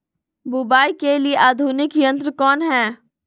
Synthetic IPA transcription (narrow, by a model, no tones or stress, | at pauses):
bʊbaːikelieʔaːd̪ʱunɪkjə̃nt̪ɾəkɔːnɦɛː